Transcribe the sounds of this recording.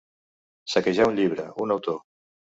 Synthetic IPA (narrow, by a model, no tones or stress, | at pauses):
sakeʒaunʎiβ̞ɾə̰unawt̪o